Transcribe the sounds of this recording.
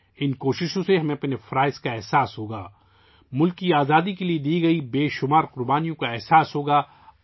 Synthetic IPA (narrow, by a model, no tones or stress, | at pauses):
ɪnkoːʃɪʃõseɦɐmẽɐpnefɐɾaːɪzkaɛɦsaːsɦoːɡaː | mʊlkːiaːzaːd̪ikelied̪iːɡɐibeːʃʊmaːɾqʊɾbaːnijõkaɛɦsaːsɦoːɡaː